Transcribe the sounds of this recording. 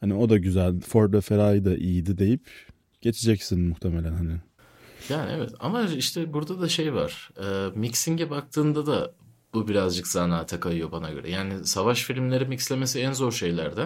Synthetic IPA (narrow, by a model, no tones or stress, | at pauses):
hanio̞d̪aɟyzælʲfoɾd̪ɛfeɾajd̪aʔijid̪id̪e̞jip | ɟ̥e̞t͡ʃʰid͡ʒɛcsinmuht̪ʰemelʲænhanɪ | jaːnḭevɛt̪ʰa̰maiʃt̪ʰɛbuɾd̪ad̪aʃe̞jva̰ɾ̥ɯːmicsiɲɟɛbak̚t̪ʰɯːnd̪ad̪a | b̥ubiɾazd͡ʒɯkz̥anaːt̪ʰakʰajɯjo̞banaɟø̞̰ɾɛ̰jaːnɪsavaʃfilʲimlʲe̞ɾimicslʲe̞me̞siænzo̞ɾʃe̞jlʲæ̰ɾd̪æ